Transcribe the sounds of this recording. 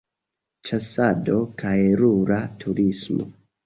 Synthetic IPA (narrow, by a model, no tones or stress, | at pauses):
t͡ʃasado̞kʰajɾuɾatʰuɾismo̰